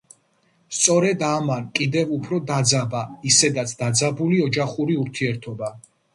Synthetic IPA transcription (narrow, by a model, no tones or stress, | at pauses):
st̪sʼɔɾɛd̪amankʼid̪ɛvupʰɾɔd̪ad̪zabaisɛd̪at̪sʰd̪ad̪zabuliɔd͡ʒaχuɾiuɾt̪ʰiɛɾt̪ʰɔba